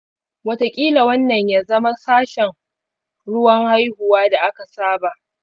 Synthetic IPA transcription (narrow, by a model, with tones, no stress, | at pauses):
wɐ˦ta˨kʲʼiː˦la˨wɐ˦nːɐ˨ɲjaː˦zɐ˦ma˦saː˦ʃɛ˨ŋ | ɽʊ˦wɐ˦ŋha˦jhʊ˨waː˦da˨ʔa˦ka˨saː˦ba˨ʔ